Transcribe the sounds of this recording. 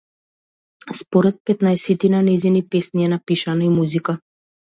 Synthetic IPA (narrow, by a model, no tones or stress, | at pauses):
spɔɾɛt̪̚pɛt̪naɛsɛt̪inanɛzinipɛsniɛnapiʃanaimuzika